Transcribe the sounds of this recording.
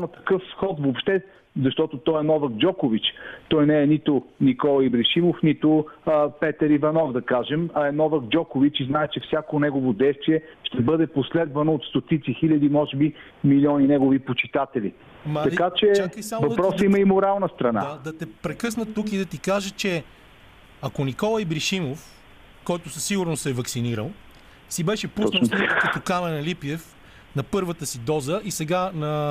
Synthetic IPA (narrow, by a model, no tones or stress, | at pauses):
nɐt̪ɐ̥kɤfsxɔt̪vopʃt̪ɛ | zɐʃt̪ɔt̪ʊt̪ɔɛnɔvɐk̚d͡ʒɔkʊvit͡ʃt̪ɔjnɛɛnit̪ʊnikɔlˠɐibɾiʃimofnit̪ʊpɛt̪əɾivɐnɔvd̪ɐkaʒɛmɐɛnɔvəkd͡ʒɔkovit͡ʃiznaɛt͡ʃɛfsʲjakonɛɡovod̪ɛjst̪viɛʃt̪ɛbɤd̪ɛposlɛd̪vɐnoːt̪st̪ot̪it̪sixilʲɐd̪imɔʒɛbi | milʲɔninɛɡovipot͡ʃit̪at̪ɛlḭ | mɐɐkat͡ʃɛt͡ʃakəjsamovɐd̪pɾɔsəiməimoɾalˠnəst̪ɾɐna̰ad̪ɐt̪ɛpɾɛkɤs̬nət̪ːukid̪ɐt̪ikaʒət͡ʃɛ | ɐkonikɔlˠɐjbɾiʃimof | kɔjt̪ʊsəsiɡuɾnosɛvɐksiniɾə̰lˠ | sibɛʃɛput̪ˠik̪kɐt̪okamɛnɐlipiɛf | nɐpɤɾvət̪əsid̪ɔzəʔisɛɡanɐ